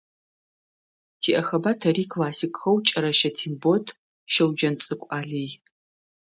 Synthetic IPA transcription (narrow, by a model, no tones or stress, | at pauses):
tʰiːʔɐxɐbaːtʰɐɾiːkʰlaːsɪkʼxɐwt͡ʃʼɐɾɐʃɐtʰiːnbotʰ | ʃɐwd͡ʒɐnt͡sʼɨkʷʼaːɮij